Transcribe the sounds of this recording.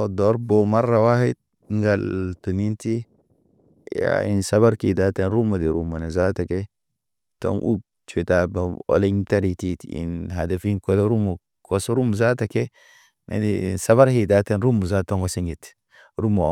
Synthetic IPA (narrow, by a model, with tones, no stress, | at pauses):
o˨do˨˦ɾbo˨ma˦rːa˨wa˦hi˦d̚ | ŋɡa˨ltu˨ni˦nti˦ | ja̰ḭ˨nsa˦βa˦ɾki˨da˦te˦nɾu˦ma˨di˨ɾu˨ma˨ne˨za˦ta˨ke˦ | to̰˦ŋʔṵ˦ | t͡ʃe˨ta˨ba˨o̰˨li˦ɲta˦ɾi˨ti˦tḭ˨nɦa˨de˨fi˦nko˦le˦ɾu˦mu˨ | ko˦so˦ɾu˦mu˨za˦ta˨ke˦ | nḛ˨di˨nsa˦βa˦ɾhi˨da˦te˦nɾu˦mu˨za˦to˦ŋɡo˨si˦ŋɡi˨t | ɾu˦mo˨